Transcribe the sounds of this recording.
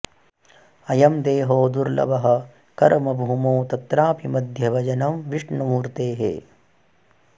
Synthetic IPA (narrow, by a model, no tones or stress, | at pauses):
ɐjɐmd̪eːɦoːd̪uɾlɐ̰ʋɐɦɐ̆ | kɐɾmɐbʱuːmoːt̪ɐt̪ɾaːpimɐd̪ʱjɐbɐd͡ʒɐnɐmʋiʂɳɐmuːɾt̪eːɦḛː